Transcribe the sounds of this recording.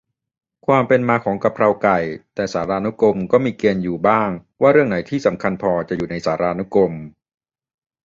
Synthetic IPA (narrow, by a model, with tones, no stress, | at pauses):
kʰwaː˧mpe˧nmaː˧kʰɔː˩˦ŋka˨˧˩p̚ʰɾa˧wka˨˩jt̪ɛː˨˩saː˩˦ɾaː˧nu˦˥ko˧mkɔː˥˩miː˧keː˧njuː˨˩baː˥˩ŋwaː˥˩ɾɯ˥˩əŋna˩˦jt̪ʰiː˥˩sa˩˦mkʰa˧npʰɔː˧t͡ɕa˨˩ʔjuː˨˩na˧jsaː˩˦ɾaː˧nu˦˥ko˧m